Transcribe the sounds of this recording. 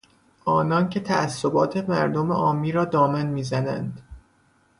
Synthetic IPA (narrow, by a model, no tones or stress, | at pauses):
ʔɒːnɒːncʰe̞t̪ʰææsːobɒːt̪ʰe̞mæɾd̪o̞mḛʔɒːmːiːɾɒːd̪ɒːmænmiːzænænd̪̥